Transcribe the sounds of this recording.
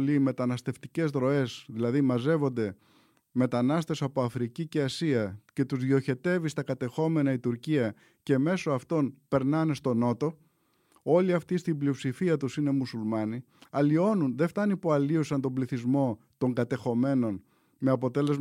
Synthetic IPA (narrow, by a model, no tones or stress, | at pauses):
lime̞t̪ɐnɐst̪e̞ft̪ice̞zðɾo̞e̞sðilɐðimɐze̞vo̞nd̪e̞ | me̞t̪ɐnɐst̪e̞sɐpo̞ɐfɾicice̞ɐsiɐce̞t̪uzðio̞çe̞t̪e̞vist̪ɐkɐt̪e̞xo̞me̞nɐit̪uɾciɐ | ce̞me̞so̞ɐft̪o̞npe̞ɾnɐne̞st̪o̞no̞t̪o̞ | o̞liɐft̪ist̪imblio̞psifiɐt̪usine̞musulmɐni | ɐlio̞nunðe̞ft̪ɐnipoɐliosɐnt̪o̞mbliθizmo̞ | t̪o̞ŋɡɐt̪e̞xo̞me̞no̞n | me̞ɐpo̞t̪e̞le̞z